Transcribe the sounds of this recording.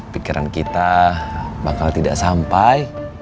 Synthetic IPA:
pikiɾa̰nkit̪a | bakalt̪ida̰ʔsampaj

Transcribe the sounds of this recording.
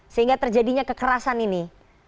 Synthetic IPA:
səɦiŋɡat̪ərd͡ʒadiɲakəkəɾasanini

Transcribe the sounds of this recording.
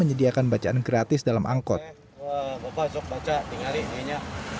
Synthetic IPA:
əɲədiakanbat͡ʃaʔanɡɾat̪ɪsdalamʔaŋkɔt̪̚ | əbapasʊk̚bat͡ʃad̪iŋalinaɲa

